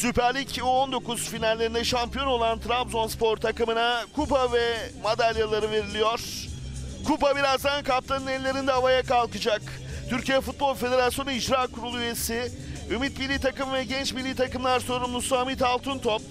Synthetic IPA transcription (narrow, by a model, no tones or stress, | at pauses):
sypæɾlʲico̞nd̪o̞kuz̥finalʲːe̞ɾind̪ɛʃampijo̞no̞lˠant̪ʰɾampzo̞nspʰo̞ɾt̪ʰakɯmɯnakʰupavɛmad̪alʲjalˠaɾɯve̞ɾilʲijo̞ɾ̥ | kʰupabiɾazd̪ankap̚t̪ʰanɯnɛlʲːe̞ɾind̪ɛavajakalˠkɯd͡ʒak | t̪ʰyɾcijɛfut̪̚bo̞lˠfe̞d̪e̞ɾasjo̞nuid͡ʒɾaːkuɾulˠuye̞si | ymit̪̚bilʲiːt̪ʰakɯmɯvɛɟɛnt͡ʃbilʲːiːt̪ʰakɯmlˠaɾso̞ɾumlusuamit̪alˠt̪ʰunt̪ʰop̚